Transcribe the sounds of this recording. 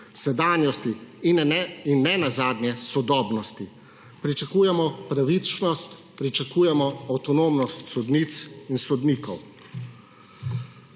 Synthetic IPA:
sɛd̪aːnjɔst̪ininːɛnazaːd̪nʲjɛsɔd̪ɔːbnɔst̪i | pɾit͡ʃakuːjɛmɔpɾaʋit͡ʃnɔst̪ | pɾit͡ʃakuːjɛmɔawt̪ɔnoːmnɔst̪sɔd̪nit̪sinsɔd̪niːkɔw

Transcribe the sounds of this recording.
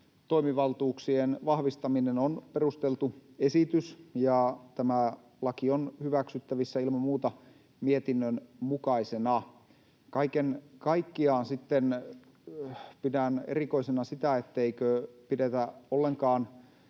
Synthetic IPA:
t̪o̞imiʋɑlt̪uːksienʋɑhʋist̪ɑminenonperust̪elt̪uesit̪ysjɑt̪æmæ | lɑkionhyʋæksyt̪ːæʋisːæilmɑmuːt̪ɑ | miet̪inːønmukɑisenɑ | kɑikenkɑikːiɑːnsit̪ːen | pidænḛriko̞isenɑsit̪æet̪ːeikøpidet̪æolːeŋkɑːn

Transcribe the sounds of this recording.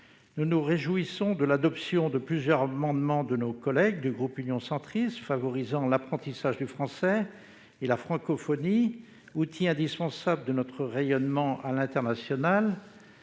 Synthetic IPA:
nunuʁeʒuisɔ̃d̪əlad̪ɔpsjɔ̃d̪əplyzjœʁamɑ̃d̪mɑ̃d̪ənokɔlɛɡ̚d̪yɡʁupynjɔ̃sɑ̃t̪χist̪favɔʁizɑ̃lapχɑ̃t̪isaʒd̪yfχɑ̃sɛ | elafχɑ̃kɔfɔni | ut̪ʰiɛ̃d̪ispɑ̃sabləd̪ənɔt̪χəʁejɔnmɑ̃ʔalɛ̃t̪ɛʁnasjɔnal

